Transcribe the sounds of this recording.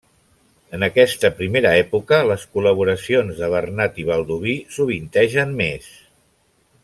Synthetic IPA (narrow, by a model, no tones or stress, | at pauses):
ənəkɛst̪əpɾimeɾəɛpukələskuləβ̞uɾəsionzðəβ̞ərnat̪iβ̞əlˠd̪uβisuβ̞int̪ɛʒənmes